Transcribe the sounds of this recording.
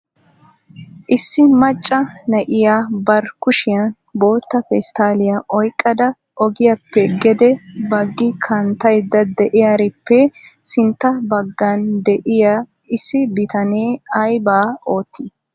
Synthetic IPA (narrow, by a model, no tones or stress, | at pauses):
ʔɪsːɪmɐt͡ʃʼːɐnɐʔɪjaːbɐɾkʊʃɪjɐn | bo̞ːt̪ːɐfɛst̪aːlɪjaʔɔjkʼːɐd̪ɐ | ʔɔɡɪjɐpːɛɡɛd̪ɛbɐɡːɪkʰɐnt̪ːɐjd̪ɐd̪ɛʔɪjaɾɪpːɛsɪnt̪ːɐbɐɡːɐnd̪ɛʔɪja | ɪsːɪbɪt̪ɐneːɐjbaːoːt̪ːiː